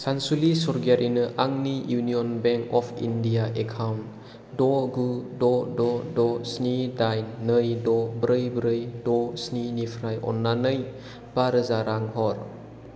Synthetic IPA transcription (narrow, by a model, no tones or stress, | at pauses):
sansulisɔɾɡiaɾʔinɯʔaŋnijuniɔnbɛŋkɔpʰḭndijaʔekʰawnt | dɔɡudɔdɔdɔsnidajnːəjdɔbɾɯjbɾɯjdɔsninipʰɾajʔɔ̰nːanɯj | b̥aɾɯzaɾaŋhɔɾ